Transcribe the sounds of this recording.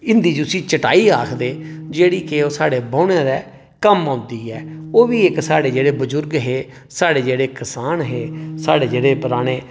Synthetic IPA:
ɪnd̪iːd͡ʒʊsĩːt͡ʃəʈaːiːaːkʰd̪eːd͡ʒeːɽiːkeoːsaːɽeːbãːʊneːɾɛː | kəmãːnd̪iːɦɛːoːʋiːɪksaːɽeːd͡ʒeːɽeːbʊzʊɾɡɦeː | saːɽeːd͡ʒeːɽeːkɪsaːnɦeːsaːɽeːd͡ʒeːɽeːpʊɾaːɽeː

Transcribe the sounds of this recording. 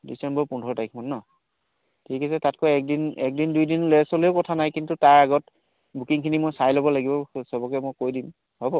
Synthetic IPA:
disɛmbɔɹpundʱɔɹɔtajk̚ʰmɔnːɔ | tʰikɛsɛtatkɔɛk̚dinɛk̚dindujdinlojɛsɔlejʊkɔtʰanajkintutaɹaɡɔt | bukiŋkʰinimojsajlɔbɔlaɡibɔsɔbɔkɛmɔjkojdim | hɔbɔ

